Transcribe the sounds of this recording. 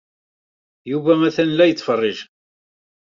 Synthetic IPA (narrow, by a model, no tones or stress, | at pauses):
juvæmæθænlæjət͡sːfərˤːɪʒ